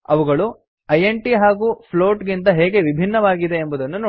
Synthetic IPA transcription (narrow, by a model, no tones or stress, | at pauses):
ɐʋuɡɐɭu | ɐjeɳʈiɦaːɡuːpʰlo̞ːʈɡint̪̬ɐɦeːɡe̞ʋibʱinːɐʋaːɡid̪e̞ːmbud̪ɐnːunoː